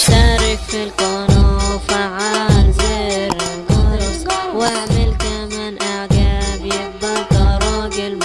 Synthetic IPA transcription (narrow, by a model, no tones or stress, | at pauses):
t̪aːɾˤɪkfilqonofaʕalzɪɾɪnɡʊɾwaʕmɪlkamanʔaʕɡabjɪɡ̚d̪ɑɾt̪ɑɾˤɑːɡɪl